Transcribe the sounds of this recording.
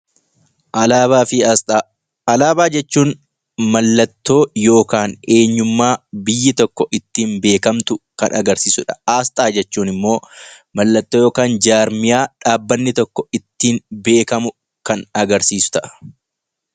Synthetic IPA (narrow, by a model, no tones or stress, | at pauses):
fɪ | ɐlaːbaːd͡ʒɛt͡ʃːuːn | mɐlːɐt̪ːo̞ːjo̞ːkaːne̞ːɲːʊmːaːbɪjːɪt̪ɔkːɔʔɪt̪ːiːnbe̞ːkɐmt̪ʊkɐ̰nʔɐɡɐɾsiːsʊᶑɐ̥aːst̪ʼaːd͡ʒɛt͡ʃːuːnɪmːo̞ː | mɐlːɐt̪ːoːjo̞ːkaːnd͡ʒaːɾmɪjaːᶑaːbːɐnːɪt̪ɔkːɔɪt̪ːiːnbe̞ːkɐmʊ | kɐnɐɡɐɾsiːsʊ̥t̪ɐʔɐ̥